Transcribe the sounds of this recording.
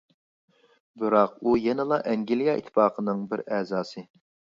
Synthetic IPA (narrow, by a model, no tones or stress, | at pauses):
bɪɾɑqujɛnɪlˠɑʔɛŋɡʲilijɑʔḭt̪ʰːɪ̥pɑːqʰənɨŋbɪɾɛzɑːsɨ